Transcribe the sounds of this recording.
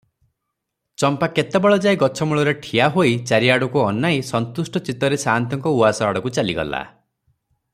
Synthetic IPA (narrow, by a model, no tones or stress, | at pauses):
t͡ʃɔmpaket̪ebɔɭɔd͡ʒajɡɔt͡ʃʰɔmuɭɔɾeʈʰiaɦoit͡ʃaɾiaɽukuɔnːajsɔnt̪usʈɔt͡ʃit̪ɔɾesaɦnt̪ɔŋkɔuasɔaɽɔkut͡ʃaliɡɔ̰la̰